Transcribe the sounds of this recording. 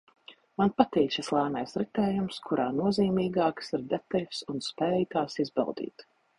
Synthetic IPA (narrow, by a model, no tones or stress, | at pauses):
manpat̪ɛːt͡ʃislˠaːnajsɾit̪ɛːjumskʰuɾaːnuɔziːmiːɡaːksiɾd̪ɛt̪alʲsunspɛːjt̪aːsizbɛ̰lˠd̪ḭːt̪